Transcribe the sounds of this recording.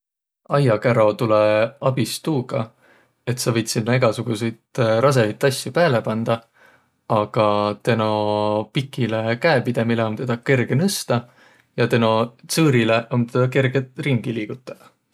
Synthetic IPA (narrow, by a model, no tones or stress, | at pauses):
ɑjɑkæɾo̞t̪uleɑbist̪uːɡ̥ɑ | e̞t̪sɑvɤ̞jt̪sinːɑeɡ̥ɑsuɡ̥usejt̪ɾʔɑs̬e̞vit̪ːˑɑsjupæːle̞pɑnd̪̥ɑ | ɑɡ̥ɑt̪e̞no̞pikːˑile̞kæepid̪̥e̞mileo̞nt̪e̞d̪̥ɑke̞rɡ̥e̞nɯst̪ɑ | jɑt̪e̞no̞t̪sɤːɾile̞ʔo̞nt̪e̞d̪̥ɑke̞rɡ̥et̪ˑriŋɡ̥iliːɡ̥ut̪ːˑɑ̥